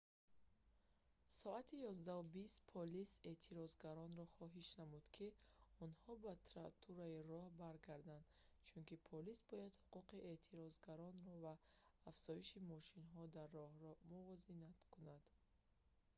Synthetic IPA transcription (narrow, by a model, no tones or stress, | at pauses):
sɔat̪ʰijɔzd̪aubist̪pʰɔlise̞t̪ʰiɾɔzɡaɾɔnɾɔχɔɦiʃnamud̪kʰiɔnhɔbat̪ʰɾat̪ʰuɾairɔhbaɾɡaɾd̪and̪̥ | t͡ʃʰunkipʰɔlisbɔjad̪huquqiʔe̞t̪ʰiɾɔzɡaɾɔnɾɔvaːfz̥ɔiʃimɔʃinɦɔd̪arːɔhɾɔmuvɔzinat̪kʰunad̪̥